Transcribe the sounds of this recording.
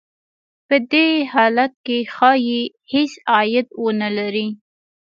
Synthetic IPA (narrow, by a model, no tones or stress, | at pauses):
pəd̪ehɑlat̪̚kexɑje | hesɑjɪd̪wonalaɾi